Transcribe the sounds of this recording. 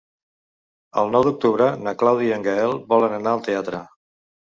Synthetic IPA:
ə̰lˠnɔwd̪uk̚t̪uβɾənəklawðiəŋɡəɛlˠbɔlənənaəlˠt̪eat̪ɾə

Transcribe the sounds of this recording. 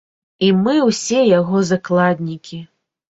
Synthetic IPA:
imɨwsʲɛjaɣɔzaklˠad̪ʲnʲikʲi

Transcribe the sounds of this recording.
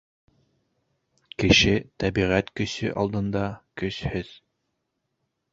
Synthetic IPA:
kɘ̆ʃɘt̪æbiʁæt̪kɵ̆sɘʔɑ̰lˠd̪ɤ̆nd̪ɑkɵ̆ʃhɘð̥

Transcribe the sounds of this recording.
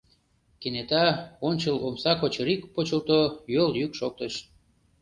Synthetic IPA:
kenet̪ɑonʲt͡ɕəlomsɑkot͡ɕɾikpot͡ɕəlt̪ojoljykʃok̚t̪əʃ

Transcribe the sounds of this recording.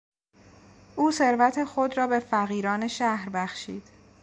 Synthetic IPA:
ʔuːse̞ɾvæt̪ʰe̞xod̪ɾɒːbe̞fæɣiːɾɒːneʃæhɾbæxʃḭːd̪̥

